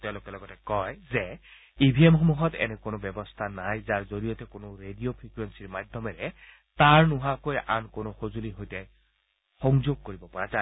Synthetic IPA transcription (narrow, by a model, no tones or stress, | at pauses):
tɛʊ̃lokɛlɔɡɔtɛkɔjzɛ | ibʱiemxomuɦɔtɛ̰nɛkonʊbɛbɔstʰanajzaɹzoɹijɔtɛkonʊɹedijopʰɹikuɹensiɹmadʱjɔmɛɹɛ | taɹnuɦakoja̰nkonʊxozuliɦojtɛ | xɔŋzoɡ̚koɹibɔpɔɹaza